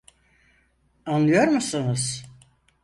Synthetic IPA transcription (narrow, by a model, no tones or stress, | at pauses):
anlˠɯjo̞ɾmusɯnɯz̥